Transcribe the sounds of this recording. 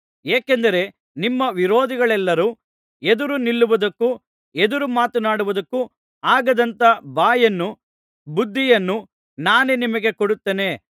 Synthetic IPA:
eːkend̪ɐɾe̞ | nimːɐʋiɾoːd̪iɡɐɭɛlːɐɾu | ed̪uɾunilːuʋud̪ɐkːu | ed̪uɾumaːt̪unaːɽuʋud̪ɐkːu | aːɡɐd̪ɐnt̪ɐbaːjɐnːu | bud̪ʱːijɐnːu | naːnenimɐɡe̞koɽut̪ːeːne̞

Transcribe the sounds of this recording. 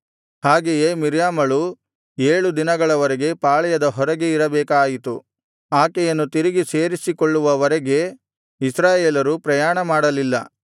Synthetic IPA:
haːɡeje̞miɾjaːmɐɭu | eːɭud̪inɐɡɐɭɐʋɐɾeɡe̞paːɭɛjɐd̪ɐɦɔɾɐɡeiɾɐbɛːkaːjit̪u | aːkɛjɐnːut̪iɾiɡise̞ːɾisikoɭːuʋɐʋɐɾɐɡe̞ | isɾaːjeːlɐɾupɾɐjaːɳɐmaːɽɐlilːɐ̰

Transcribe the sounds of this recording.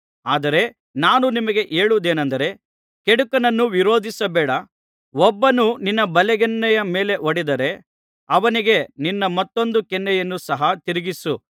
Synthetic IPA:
aːd̪ɐɾe̞ | naːnunimɐɡe̞ʔeːɭud̪eːnɐnd̪ɐɾe̞ | keɽukɐnɐnːuʋiɾo̞ːd̪ʱisɐbɛːɽɐ | ɔbːɐnuninːɐbɐlɛɡɛnːɛjɐme̞ːle̞ʔoɽid̪ɐɾe̞ | ɐʋɐniɡe̞ninːɐmɐt̪ːo̞nd̪ukɛnːɛjɐnːusɐɦɐt̪iɾiɡisu

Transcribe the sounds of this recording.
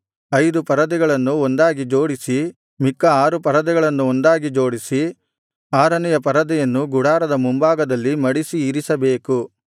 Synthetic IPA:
ɐjd̪upɐɾɐd̪ɛɡɐɭɐnːuond̪aːɡid͡ʒo̞ːɽisi | mikːɐaːɾupɐɾɐd̪ɛɡɐɭɐnːuond̪aːɡid͡ʒo̞ːɽisi | aːɾɐnɛjɐpɐɾɐd̪ɛjɐnːuɡuɽaːɾɐd̪ɐmumbaːɡɐd̪ɐlːimɐɽisiːɾisɐbeːku

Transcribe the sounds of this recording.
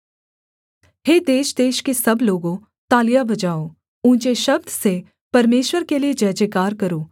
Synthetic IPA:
ɦeːd̪eːʃd̪eːʃkesɐbloːɡõ | t̪aːlijabɐd͡ʒaːo | ʊ̃ːt͡ʃeʃɐb̚d̪ʱse | pɐɾmeːʃwəɾkelied͡ʒɐːd͡ʒekaːɾkɐɾoː

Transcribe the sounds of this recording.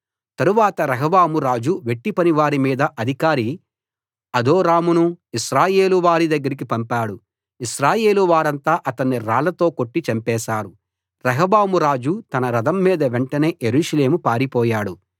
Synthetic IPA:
t̪ɐɾuʋaːt̪ɐɾɐɦɐʋaːmuɾaːd͡ʒuʋe̞ʈːipɐniʋaːɾimiːd̪ɐʔɐd̪ʱikaːɾi | ɐd̪oːɾaːmunuiʃɾaːje̞ːluʋaːɾid̪ɐɡːɐɾik̬ipɐmpaːɽu | iʃɾaːje̞ːluʋaːɾɐnt̪aːʔɐt̪ɐnːiɾaːlɐt̪o̞ːko̞ʈːit͡ʃɐmpɛːsaːɾu | ɾɐɦɐbaːmuɾaːd͡ʒut̪ɐnɐɾɐd̪ɐmːiːd̪ɐʋeɳʈɐne̞ːʔje̞ɾuːʂɐle̞ːmupaːɾipɔːjaːɽu

